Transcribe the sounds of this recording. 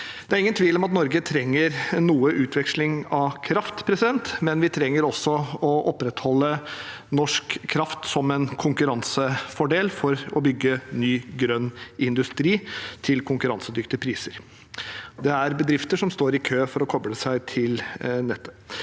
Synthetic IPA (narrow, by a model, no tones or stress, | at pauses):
d̪̥ɛæɾɪŋːənt̪ʰʋiːlɔmɑt̪nɔɾɡət̪ʰɾɛŋːəɾnuːəʔʉːt̪ʰʋɛkʂlɪŋɑʋkʰɾɑft̪pʰɾɛsɪd̪ɛnt̪mɛnʋɪt̪ʰɾɛŋːəɾɔsːɔɔʔɔpɾɛt̪hɔlːə | nɔʂkʰːɾɑft̪sɔmɛnkʰʊŋkʉɾɑnsəfɔɖeːlfɔɾɔbʏɡːənyːɡɾœnːɪnd̪ʉst̪ɾiːt̪ʰɪlkʰʊŋkʉɾɑnsəd̪ʏkt̪ɪpʰɾiːsəɾ | d̪ɛæɾbəd̪ɾɪft̪əʂɔmst̪oːɾɪkʰøːfɔɾɔkʰɔbɽəsæɪt̪ʰɪlnɛt̪ʰːə̥